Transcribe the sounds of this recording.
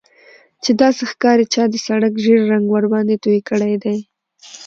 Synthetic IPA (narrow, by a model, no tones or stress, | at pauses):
t͡ʃed̪ɑsexkɑɾet͡ʃɑd̪əsaɽakʒeɾːaŋɡwaɾbɑnd̪et̪uikəɽajd̪aj